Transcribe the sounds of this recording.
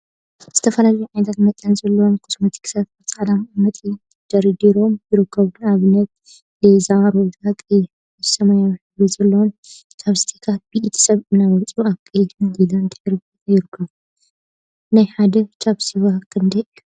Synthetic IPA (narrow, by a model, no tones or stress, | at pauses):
z̥ɨt̪ʰɐfɐlalɐjuʕajnɐt̪ʰat̪mɐt̪ʼanzɐlːɐwomkʰɨ̥smɐt̪ʰi̥kʰɨ̥sat̪ɐt͡sʼaʕd̪ammɐt̪ʼi | d̪̥ɐɾid̪iɾo̞mjɪɾɨkʰːɐβunaβɨnːɐt̪̚ | zamaɾod̪akʼi | sɐmanawiħɨɾizɐlːɐwom | t͡ʃaβst̪ʰi̥kʰat̪̚biʔit̪ʰi̥sɐβɨnːawɐlt͡sʼuaβkʼid̪mɨɡilant̪ʰɨħɨɾ | jɪɾɨkʰːɐβu | najħad̪ɐt͡ʃʰʼaβsiwakʰɨnd̪ɐʔu